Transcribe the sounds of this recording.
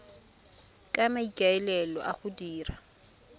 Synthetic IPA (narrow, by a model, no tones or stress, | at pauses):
kʼamaikʼaɛlɛlɔ̰ʔaχʊdiːra